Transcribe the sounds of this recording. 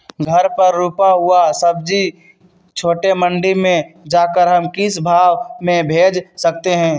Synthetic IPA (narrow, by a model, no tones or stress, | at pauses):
ɡʱɐɾpɐɾːuːpaɦʊasɐb̚d͡ʒi | t͡ʃʰoːʈemə̃ɳɖimẽd͡ʒaːkəɾɦɐmkɪsbʱaːʋmẽbʱeːd͡ʒsɐk̚t̪eɦɛ̃ː